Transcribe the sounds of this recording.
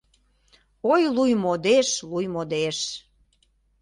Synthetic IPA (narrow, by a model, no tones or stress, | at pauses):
ojlujmod̪eʃlujmod̪eʃ